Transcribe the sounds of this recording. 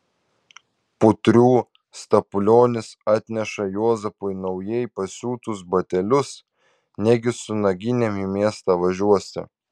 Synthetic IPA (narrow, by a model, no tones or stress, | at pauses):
pʊt̪ʲɾʲuː | st̪ɐpʊlʲoːnʲɪsɑːt̪ʲnʲɛʃɐjoːzɐpʊɪnɒʊjɛɪpɐsʲuːt̪ʊsbɐt̪ʲɛlʲʊs | nʲɛɡʲɪsʊnɐɡʲɪnʲɛmiːmʲiɛst̪ɑʋɐʒʲuɔsʲɪ̰